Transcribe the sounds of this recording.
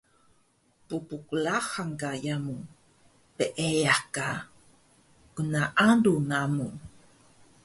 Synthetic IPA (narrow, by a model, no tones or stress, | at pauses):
pupukulaxaŋkajamu | pəʔejaka | kunaʔaduŋamu